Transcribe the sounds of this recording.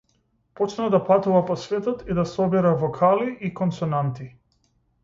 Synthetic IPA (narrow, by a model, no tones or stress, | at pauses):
pɔt͡ʃnad̪apat̪uvapɔsvɛt̪ɔt̪id̪asɔbɛɾavɔkʰaliikɔnsɔnant̪i